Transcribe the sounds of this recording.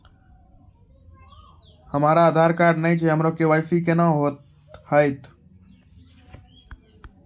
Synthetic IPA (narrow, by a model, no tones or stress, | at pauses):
həmaːɾaːd̪ʱaːɾkaːɾɖnəit͡ʃʰeɦəmɾokeʋəjsikenãɦot̪ | həɪt̪